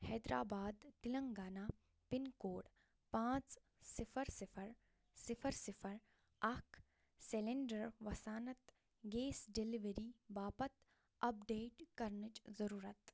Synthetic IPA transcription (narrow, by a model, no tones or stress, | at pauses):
hɛːd̪ɾaːbaːd̪t̪ɪlɐ̃ŋɡaːnaː | pɪnkoːɽ | pãːt͡s | sɪfʰəɾsɪfʰəɾ | sɪfʰəɾsɪfʰəɾ | ɐkʰ | seleɳɖəɾʋɐsaːnɐt̪ | ɡeːsɖeliʋeɾiʋaːpɐt̪ | ɐp̚ɖeːʈkɐɾnɪt͡ʃzɐɾuːɾət̪